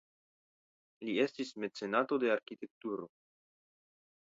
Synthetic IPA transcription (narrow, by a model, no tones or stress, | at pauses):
lie̞stisme̞t͡se̞nato̞de̞aɾkit̪e̞k̚t̪uɾo̞